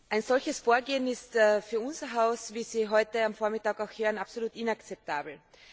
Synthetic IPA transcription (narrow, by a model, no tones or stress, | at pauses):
ʔaɪnzɔlçəsfoːɐɡeːənɪstːfyːɐʊnz̥ɐɦaʊsviːziːɦɔʏtəamfoːɐmɪtaːɡaʊxhøːʁənapsoluːtɪnakt͡sɛp̚tʰa̰ːbl̩